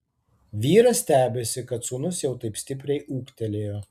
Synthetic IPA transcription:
ʋʲiːɾɐsʲt̪ʲæːbʲesʲɪkɐt̪suːnʊsjɛʊt̪ɐɪpsʲt̪ʲɪp̬ʲɾʲɛɪʔuːkt̪ʲɛlʲeːjoː

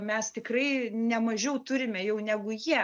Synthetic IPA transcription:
mʲɛst̪ʲɪkrɐɪnʲɛmɐʒʲɛʊt̪ʊɾʲɪmʲɛjɛʊnʲæːɡʊjiɛ

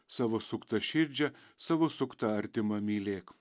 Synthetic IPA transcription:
sɑːʋosʊkt̪ɐʃʲɪɾʲd͡ʒʲɛ | sɑːʋoːsʊkt̪ɐɐɾʲt̪ʲɪmɐmʲiːlʲeːk

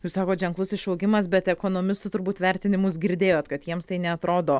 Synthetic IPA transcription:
juːssɑːkoːt̪ʒʲɛŋklˠʊsɪʃɐʊɡʲɪmɐs̬bʲɛt̪ɛkoːnoːmʲɪst̪ʊt̪ʊɾbuːt̪ʋʲɛɾʲt̪ʲɪnʲɪmʊs̬ɡʲɪɾʲd̪ʲeːjoːt̪kɐt̪jiɛmst̪ɐɪnʲɛɐt̪ɾoːd̪oː

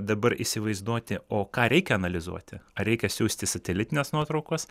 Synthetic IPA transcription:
d̪ɐbɐɾḭsʲɪʋɐɪzd̪uɔt̪ʲɪoːkɑːɾʲɛɪkʲɛɐnɐlʲɪzṵɔt̪ʲɪɐɾʲɛɪkʲɛsʲuːsʲt̪ʲɪsɐt̪ʲɛlʲɪt̪ʲɪnʲeːsnuɔt̪ɾɒʊkoːs

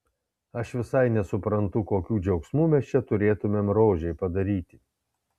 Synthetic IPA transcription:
ɐʃʋʲɪsɐɪnʲɛsʊpɾɐnt̪ʊkoːkʲuːd͡ʒʲɛʊksmuːmʲɛst͡ʃʲɛt̪ʊɾʲeːt̪ʊmʲeːmɾoːʒʲɛɪpɐd̪ɐɾʲiːt̪ʲɪ

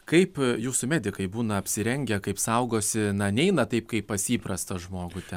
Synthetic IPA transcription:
kɐɪpjuːsʊmʲæːd̪ʲɪkɐɪbuːnɐɐpʲsʲɪɾʲɛŋʲɡʲɛkɐɪpsɐʊɡoːsʲɪnɐnʲɛɪnɐt̪ɐɪpkɐɪppɐsʲiːpɾɐst̪ɐʒmoːɡʊt̪ʲɛ

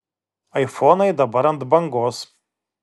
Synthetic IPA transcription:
ɐjfonɐjd̪ɐbɐɾɐnd̪bɐŋɡos

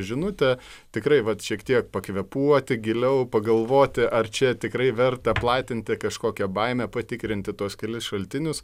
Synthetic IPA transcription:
ʒʲɪnʊt̪ʲɛ | t̪ʲɪkɾɐɪʋɐt̪ʃʲiɛkt̪ʲiɛkpɐkʋʲɛpuɔt̪ʲɪɡʲɪlʲɛʊpɐɡɐlˠʋoːt̪ʲɪʔɐrt͡ʃʲɛt̪ʲɪkɾɐɪʋʲɛrt̪ɐplˠɑːt̪ʲɪnʲt̪ʲɪkɐʃkoːkʲɛbɐɪmʲɛpɐt̪ʲɪkɾʲɪnʲt̪ʲɪt̪uɔskʲɛlʲɪsʃɐlʲt̪ʲɪnʲʊs

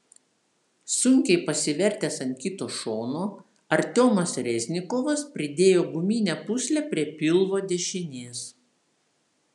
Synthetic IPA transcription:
sʊŋʲkʲɛɪpɐsʲɪʋʲɛɾʲt̪ʲeːsɐnʲkʲiːt̪oːʃoːnoː | ɐɾʲt̪ʲoːmɐsɾʲɛzʲnʲɪkɔːʋɐspʲɾʲɪd̪ʲeːjoːɡʊmʲiːnʲɛpʊsʲlʲɛpʲɾʲiɛpʲɪlˠʋoːd̪ʲɛʃʲɪnʲeɛs

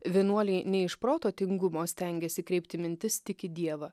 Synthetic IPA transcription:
ʋʲiɛnuɔlʲɛɪnʲɛɪʃpɾoːt̪oːt̪ʲɪŋɡʊmoːsʲt̪ʲɛŋʲɡʲɛsʲɪkɾʲɛɪp̚ʲt̪ʲɪmʲɪnʲt̪ʲɪst̪ʲɪkʲɪd̪ʲiɛʋɐ

